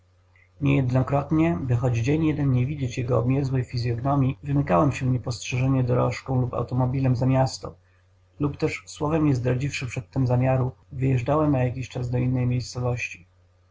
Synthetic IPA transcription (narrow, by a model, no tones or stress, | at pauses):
ɲɛjɛd̪nɔkɾɔt̪ɲɛbɘxɔd͡ʑd͡ʑeɲjɛd̪ɛnɲɛvʲid͡ʑet͡ɕjɛɡɔːbmʲjɛzwɛjfʲizʲjɔɡnɔmʲjivɘmɘkawɛmɕɛɲɛpɔstʂɛʐɛɲɛd̪ɔɾɔʂkɔ̃w̃lupa̰wt̪ɔmɔbʲilɛmzamʲjast̪ɔ̰ | lupt̪ɛʂswɔvɛmɲɛzd̪ɾad͡ʑifʂɘpʂɛt̪ːɘmzamʲjaɾuvɘjɛʐd͡ʐawɛmnajakʲiɕt͡ʂazd̪ɔinːɛjmʲjejst̪sɔvɔɕt͡ɕi̥